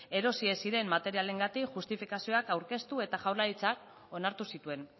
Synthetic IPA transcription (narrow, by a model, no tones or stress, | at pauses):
e̞ɾo̞siesiɾe̞mːat̪e̞ɾiale̞ŋɡat̪ikʝust̪ifikasio̞akawɾke̞st̪ue̞t̪aʝawɾlaɾit͡sak̚ | o̞naɾt̪usit̪ue̞n